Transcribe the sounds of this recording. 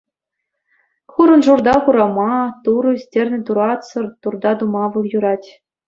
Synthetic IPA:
χuɾɤ̆nʐurd̪ɑχuɾɑmɑt̪uɾɤsʲtʲerʲnʲɘ̆t̪uɾɑt̪sɤ̆rt̪urd̪ɑd̪umɑʋɯlˠjuɾɑtʲ

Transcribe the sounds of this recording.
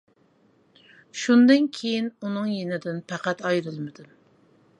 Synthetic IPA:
ʃund̪ɨnkʲʰejinunɨŋjenɪd̪ɪnpæqæt̪ɑjɾɨlˠmɪd̪ɨm

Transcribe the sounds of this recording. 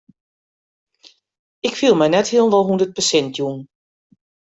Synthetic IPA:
ɪkfilˠmɛjnɛthiəlˠnʋɔlˠɦundət̚pəsɛntʰjun

